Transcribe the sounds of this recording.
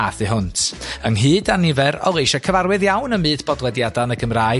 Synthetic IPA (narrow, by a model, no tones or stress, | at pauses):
aθɨɦʊntʰəŋɦɨːdanɪvɛɾɔ̰lˠejʃɔkʰəvarwɨðjawnəmɨːdbɔdlwɛdjadanəɡəmraːɨ